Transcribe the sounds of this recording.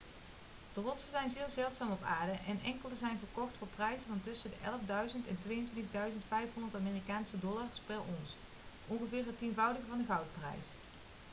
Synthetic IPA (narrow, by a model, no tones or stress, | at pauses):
d̥ərɔtsəzɛjnzɪːlˠɹzɛlˠtsaːmɔpa̰ːɹdəʔɛnʔɛŋkəlˠəzɛjnvəɹkɔχtfʊːɹprɛjzənvɑntɵsədəʔɛ̰ləvdœɥzəntɛntʋejəntʋɪntəɣdœɥzəntfɛjfɦɔndəɹtaːmɪːrikaːnsədɔlaɹspɛrɔns | ʔɔnχəvɪːɹɦətinvɑwdəɣəvɑndəɣɑwt̚prɛ̰js